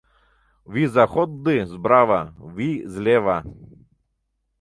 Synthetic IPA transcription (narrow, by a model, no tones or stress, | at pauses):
wizaxɔd̪ːɨzbɾaʋaʋizʲlʲɛʋa